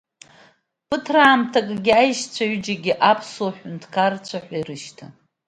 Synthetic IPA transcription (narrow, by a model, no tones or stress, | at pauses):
pɨtʰraːmtʰakʼɡʲiajʃt͡ɕʷʰaɥd͡ʒaɡʲiʔapʰsoħʷᶣʊntʰkʰart͡ɕʷʰaħʷairɨʃtʰa